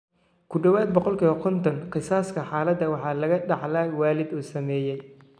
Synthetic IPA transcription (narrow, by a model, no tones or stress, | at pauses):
kʰʊɖɐwaːd̪̚bɔqɔlkʰiːβɐkʰɔnt̪ʰɔnqɪsaːskʰɐħɑːlɐd̪ːɐwɑħɑːlɐɣɐɖɑħlaːwaːlɪd̪uːsɐmɛːjɛj